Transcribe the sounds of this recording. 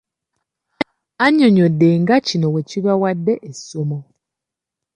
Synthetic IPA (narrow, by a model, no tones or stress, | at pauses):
aɲːo̞ɲodːe̞ŋɡacino̞we̞ciβawadːe̞ʔesomo